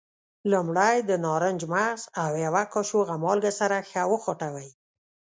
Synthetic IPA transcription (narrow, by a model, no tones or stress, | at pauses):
lʊmɽajd̪ənɑɾənd͡ʒmaɣzawjawakɔʃoɣamɑlɡasaɾaxawəxoʈawəj